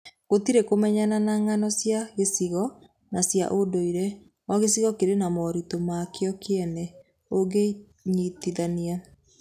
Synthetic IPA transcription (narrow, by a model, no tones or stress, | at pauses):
ɣot̪iɾekomɛɲananaŋanɔsjaɣesiɣɔ | nasja̰ʔodoiɾɛ | waɣesiɣɔkeɾenamɔɾitomakeɔkeɛnɛ | oɡe | ɲitiðania